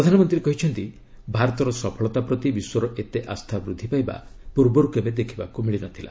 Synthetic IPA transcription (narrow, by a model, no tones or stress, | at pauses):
pɾɔd̪ʱanɔmɔnt̪ɾiɾekɔɦit͡ʃʰɔnt̪i | bʱaɾɔt̪ɔɾɔsɔpʰɔɭɔt̪apɾɔt̪ibiswɔɾɔʔet̪eʔast̪ʰabɾud̪ʱːipajba̰ | puɾbɔɾukebed̪ekʰiba̰kumiɭinat̪ʰila̰